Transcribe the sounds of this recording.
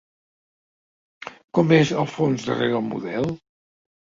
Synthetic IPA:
kɔmezəlˠfonzðə̰reɣəlˠmṵðɛlˠ

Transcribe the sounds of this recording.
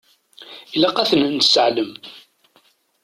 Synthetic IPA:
ilæqæθənənə̥səʕləm

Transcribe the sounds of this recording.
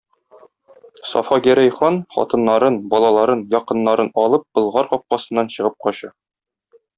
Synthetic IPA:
sɒ̰fɑɡæɾæjχɑnχɒ̰t̪ɤ̆nːɑɾɤnbɒlˠɑlˠɑɾɤnjɒqɤ̆nːɑɾɤnɒlˠɤp̚b̥ɤ̆lˠʁɑɾqɒp̚qɑsɤ̆nːɑnɕɤ̆ʁɤp̚qɒɕɤ

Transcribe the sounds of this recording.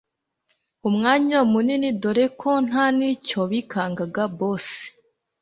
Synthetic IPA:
umŋaːɲaumuninidoɾe̞kʰo̞n̥ɦanico̞βikʰaːŋɡaɡaboːse̥

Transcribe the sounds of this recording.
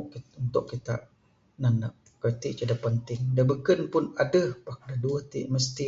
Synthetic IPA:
kiunt̪ʊʔkːit̪a̰ʔ | nanaʔ | kɾit̪ɪʔ̚t͡ʃudapənt̪ɪŋdabəkənpʊnadəhpak̚daduəht̪ḭʔməst̪i

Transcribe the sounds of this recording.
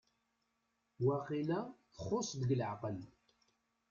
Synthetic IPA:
wæqilæ | əχosˤd̪əɡəlʕqəl

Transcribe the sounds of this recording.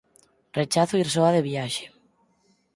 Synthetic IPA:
ret͡ʃaθʊiɾsoaðeβjaʃe̥

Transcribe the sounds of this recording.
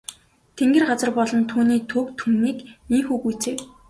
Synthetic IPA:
t̪ʰeŋɡĕrɢat͡sə̆rpɔɮɞ̆nt̪ʰuːniːt̪ʰɵkt̪ʰumniːkniːŋxuːɣujt͡seː

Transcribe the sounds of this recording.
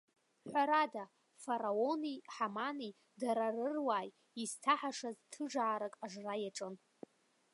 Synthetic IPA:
ħʷaɾada | faɾao̞niħamani | daɾarɨrwaːj | iztʰaħaʂaztʰɨʐaːɾakʼaʐrajaʈ͡ʂʼɨn

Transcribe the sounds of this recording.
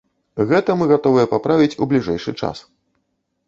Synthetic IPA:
ɣɛt̪ɐmɨɣat̪ɔvɨjɛpapɾavʲit͡sʲublʲiʐɛjʂɨ̰t͡ʂa̰s

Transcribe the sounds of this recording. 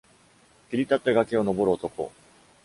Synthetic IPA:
kʲiɾʲit̪at̪ːeɡakeo̞no̞bo̞ɾɯot̪o̞ko̞̰

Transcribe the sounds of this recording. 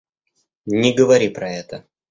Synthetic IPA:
nʲɪɡəvɐɾʲipɾɐɛt̪ə

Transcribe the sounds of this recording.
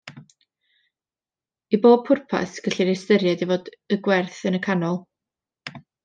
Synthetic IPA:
iboːb̚pʰʊrpʰa̰sɡ̥əɬiɾɪstəɾjadivoːdəɡwɛrθənəkʰanɔlˠ

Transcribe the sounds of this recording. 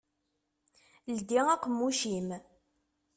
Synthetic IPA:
ld̪iʁæqmːuʃim

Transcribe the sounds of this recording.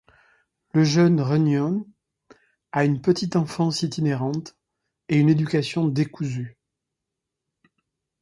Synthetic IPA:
ləʒœnʁənjɔn | aynpət̪it̪ɑ̃fɑ̃sit̪ineʁɑ̃t̪ | eyned̪ykasjɔ̃d̪ekuzy

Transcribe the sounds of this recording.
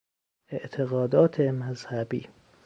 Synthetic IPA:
eʔt̪ʰeɣɒːd̪ɒːt̪ʰemæzhæbḭː

